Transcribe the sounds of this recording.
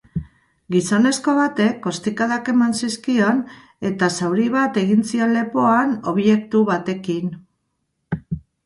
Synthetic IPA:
ɡiso̞ne̞sko̞β̞at̪e̞kːo̞st̪ikaðake̞mansiskio̞n | e̞t̪asawɾiβat̪e̞ɣint͡sio̞nle̞poano̞βje̞k̚t̪uβat̪e̞kin

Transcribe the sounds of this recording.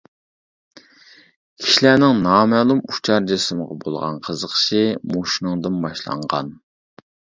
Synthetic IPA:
kʲʰi̥ʃilænɪŋnɑːmɛlˠumu̥t͡ʃʰɑɾd͡ʒesɨməʁɑ̰bo̰lˠʁɑ̰nqʰəzəqʰə̥ʃimoʃinɨŋd̪ɨnbɑʃlˠɑ̰ɴʁɑ̰n

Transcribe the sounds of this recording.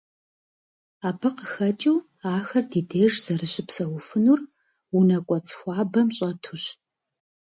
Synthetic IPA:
aːbʰɨqəxɐt͡ʃʼɨw | aːxɐrdiːdeːʒz̥ɐrɨɕɪpsɐwʊfɨnur | wʊnɐkʷʼɔt͡sʰʼxʷɑːbɐmɕʼɐtʰuɕ

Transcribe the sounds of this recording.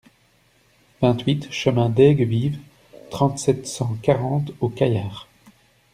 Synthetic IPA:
vɛ̃t̪ɥit̪ʃəmɛ̃d̪ɛɡviv | t̪χɑ̃t̪sɛt̪sɑ̃kaʁɑ̃t̪okajaːʁ

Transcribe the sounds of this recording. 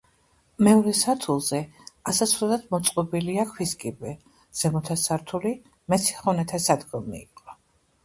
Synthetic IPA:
mɛɔɾɛsaɾt̪ʰulˠzɛasasɾɛlad̪mɔt̪sʼqʼɔbiliakʰwiskʼibɛ | z̥ɛmɔt̪ʰasaɾt̪ʰuli | mɛt̪sʰi̥χɔnɛt̪ʰasad̪ɡɔmḭːqʼɔ

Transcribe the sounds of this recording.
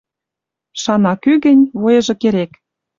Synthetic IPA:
ʃɑnɑkyɣə̆nʲβojɤ̆ʒɤ̆keɾek

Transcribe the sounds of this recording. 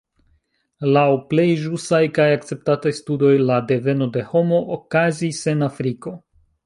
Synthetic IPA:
lawple̞jʒusajkajakt͡se̞p̚tatajstudo̞jlade̞ve̞no̞de̞ho̞mo̞ʔːkazise̞nafɾiko̞

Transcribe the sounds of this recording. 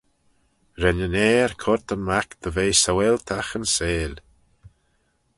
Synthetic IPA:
ɾɛnənɛːɹkʰɔɾt̪ʰəmakd̪̥əveːsawɛlt̪ʰaxənseːl

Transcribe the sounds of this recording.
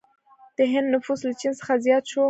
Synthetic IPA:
d̪̥əɦɪnd̪nʊfuslat͡ʃinsə̥xazjɑt̪ʃo

